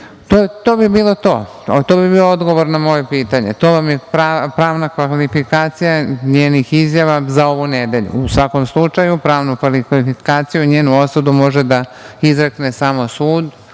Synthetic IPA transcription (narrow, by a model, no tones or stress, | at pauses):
t̪ot̪oːbibiːlˠo̞t̪o̞̰ː | t̪obibiːood̪ɡo̞ʋoɾnamo̞jepiːt̪aɲet̪oːʋamjepapɾaːʋnakʋalifikaːt̪sijaɲeːnixizjaʋazao̞ʋuned̪e̞ʎṵusʋako̞mslˠut͡ʂajupɾaːʋnukʋaliifikaːt̪sijuɲeːnuo̞sud̪umo̞ʒed̪aizɾeknesaːmo̞suːd̪